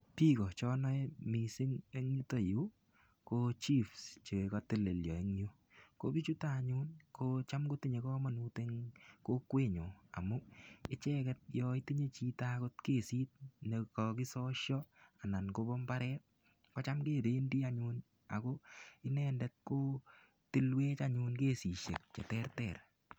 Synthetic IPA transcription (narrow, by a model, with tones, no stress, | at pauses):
piː˦kɔ˨t͡ʃɔ˦nɔ˦ɛmi˨si˦ŋe˦ŋɲu˦to˨ju˦ | kot͡ʃi˦fst͡ʃe˨kɔte˦le˨ljɔ˨e˦ŋɲo˦ | ko̰pi˦t͡ʃu˦ta˦ɲuːnkot͡ʃa˦mko˦ti˦ɲe˨kɔ˦ma˨nuːteŋko˦kwe˦ɲo˨a̰˨mu˦ɪ˦t͡ʃɛ˦kɛt̚jɔ˧i˦ti˦ɲe˦t͡ʃi˦ta˦ko˦tkeː˦˨si˦t̚ɲe˧kɔki˦sɔ˦ʃjɔ˦a˨na˨nko˦bɔ˦mba˦ɾɛː˦t̚ | kɔ˦t͡ʃamkeː˦ɾe˦ndi˦aɲu˧n | a̰˨ko˦ɪ˦nɛndɛt̚koː˦ | tɪ˦lweː˦t͡ʃaɲunke˦si˨ʃḛ˨k̚t͡ʃɛ̰˨tɛ˦rtɛ˨r